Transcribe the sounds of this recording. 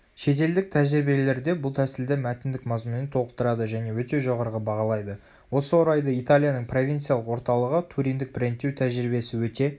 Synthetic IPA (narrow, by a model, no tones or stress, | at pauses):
ʃe̞t̪e̞ld̪ɪk̚t̪ʰæʒɪɾbiele̞ɾd̪e̞bʊlˠt̪ʰæsɪld̪ɪmæt̪ɪnd̪ɪkmɑzmunənt̪ʰo̞əqt̪əɾɑd̪əʒæne̞wɵt̪e̞ʒoʁɑɾʁəbɑʁɑlˠɑjd̪ə | wo̞səwo̞ɾɑjd̪əit̪alʲˠijanəɴpro̞vʲint̪sijalˠəqwo̞ɾt̪ɑlˠəʁət̪ʰuɾijnd̪ɪk̚pɪɾent̪ːewt̪ʰæʒɪɾibe̞sɪwɵt̪e̞